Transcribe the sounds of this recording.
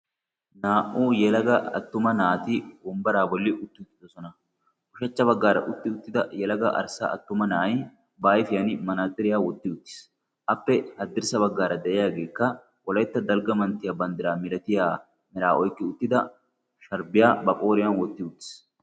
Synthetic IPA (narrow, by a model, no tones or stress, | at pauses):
naːʔuːjɛlɐɡɐɐ̰t̪ːʊmɐnaːt̪ɪbɔmbɐɾaːbɔlːɪʔʊt̪ːɪʊt̪ːɪd̪ɔsɔnɐ | kʊʃɐt͡ʃːɐβɐɡːaːɾɐ̰ʔʊt̪ːɪʊt̪ːɪd̪ɐjɛlɐɡɐ̰ʔɐ̰ɾsa̰ɐ̰t̪ːʊmɐnaːj | baːjfɪjɐnɪmɐnaːzɪɾɪjaːwɔt̪ːɪʊt̪ːɪ̥s | ʔɐpːɛhɐd̪ːɪɾsɐbɐɡːaːɾɐd̪ɛʔɛjaːɡe̞ːkːɐ | wɔlɐjt̪ːɐd̪ɐlɡɐmɐnt̪ːɪjaːbɐnd̪ɪɾaːmɪɾɐt̪ɪjaː | mɛɾaːʔɔjkːɪʊt̪ːɪd̪ɐ | ʃɐɾbɪjaːbɐkʼoːɾɪjɐnwɔt̪ːɪʊt̪ːɪ̥s